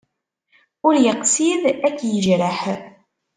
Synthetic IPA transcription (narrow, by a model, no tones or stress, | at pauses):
ʊɾjəqsiðækːjəʒɾəħ